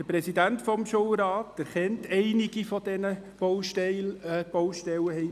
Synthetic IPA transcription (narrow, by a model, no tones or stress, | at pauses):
əpɾɛsidæntfɔmʃowɾɑːtæɾχɛntʰɛɪniɡ̥ifɔdɛnəb̥owʃtɛb̥ɔwʃtɛləhɛɪ